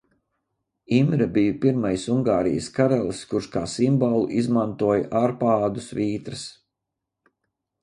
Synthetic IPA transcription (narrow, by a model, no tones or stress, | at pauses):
imɾɐbijupiɾmajsuŋɡaːɾḭjə̰skaɾɛlˠskuɾʃka̰ːsimbɔlˠuʔizmant̪uɔjɐ̰ʔaɾpaːd̪usviːt̪ɾɐs